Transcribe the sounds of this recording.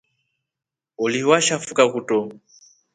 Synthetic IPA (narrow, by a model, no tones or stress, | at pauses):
uliwaʃafukakutɔ